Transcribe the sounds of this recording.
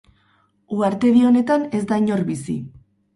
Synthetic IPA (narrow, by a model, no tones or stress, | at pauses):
uaɾt̪e̞ðio̞ne̞t̪ane̞zd̪aɲo̞ɾβisḭ